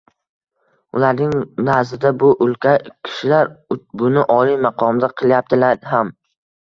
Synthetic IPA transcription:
ʊ̰laɾnɪŋnaɾzɪd̪abʊʔʊlˠkʲʰakʲʰɪ̥ʃɪlaɾbʊnɪʔɒlijmɑqʰɒmd̪aqʰɨlˠjap̚t̪ʰɪlaɾɦam

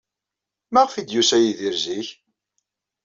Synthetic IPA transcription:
mæʁfid̪jusæjiðiɾziç

